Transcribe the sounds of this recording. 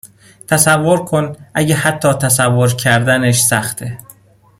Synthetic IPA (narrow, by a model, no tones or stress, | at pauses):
t̪ʰæsævːo̞ɾkʰo̞nʔæɟehæt̪ʰːɒːt̪ʰæsævːoɾcʰæɾd̪æneʃsæxt̪ʰe